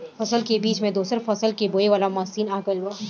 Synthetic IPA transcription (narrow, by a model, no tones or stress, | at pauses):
fɐsəlkebiːt͡ʃmẽd̪uːsəɾfɐsəlkeboːeʋaːlamaːsiːnaːɡəlɦuaː